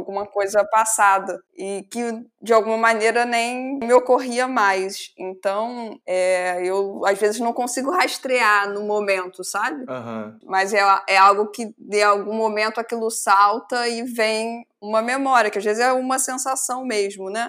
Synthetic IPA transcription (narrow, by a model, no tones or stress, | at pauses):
wɡũmɐkojzɐpasad̪ɐ | ɪkɪd͡ʒɪawɡũmɐmaneɾɐnẽj̃mɪokoɦiɐmajsẽnt̪ɐ̃w̃ɛewazvezɪznɐ̃w̃kõsiɡʊhaʃt̪ɾeanʊmomẽnt̪ʊsabɪmɐzɛaʔɛawɡʊkɪd̪ẽawɡũmomẽnt̪ʊakilʊsawt̪ɐɪvẽj̃ | ũmɐmemɔɾʲiɐkɪazvezɪzɛũmɐsẽsasɐ̃w̃meʒmʊnɛ